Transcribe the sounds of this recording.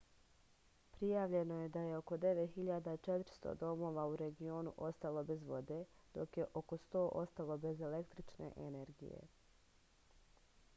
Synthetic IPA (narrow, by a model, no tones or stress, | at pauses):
pɾijaːʋʎe̞no̞je̞d̪aje̞o̞ko̞d̪e̞ʋet̪xiʎad̪at͡ʃet̪ɾst̪o̰d̪o̞mo̞ːʋauɾe̞ɡio̞ːnuʔo̞st̪alˠo̞be̞zʋo̞d̪e̞d̪̥o̞kje̞ʔoko̞st̪o̞ːʔo̞st̪alˠo̞be̞ze̞le̞kt̪ɾit͡ʃnḛʔene̞ɾɡḭjḛ